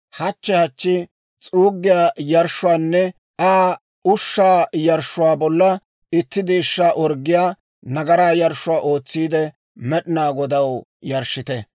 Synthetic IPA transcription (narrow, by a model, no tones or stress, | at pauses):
hɐt͡ʃːɛhɐt͡ʃːɪ | t͡sʼuːɡːɪjaːjɐɾʃʊwaːnːɛ | ʔaː | ʊʃːaːjɐɾʃːʊwaːbɔlːɐ | ɪt̪ːɪd̪eːʃːaːʔɔɾɡːɪjaː | nɐɡɐɾaːjɐɾʃʊwaːʔo̞ːt͡sːiːd̪ɛ | mɛɗɪnaːɡɔd̪ɐwjɐɾʃːɪt̪ɛ